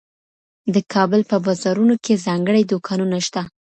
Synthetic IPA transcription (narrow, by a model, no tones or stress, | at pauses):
d̪əkʰɑbəlpəbɑzɑɾunokʰezɑŋɡəɽajd̪okʰɑnunaʃt̪a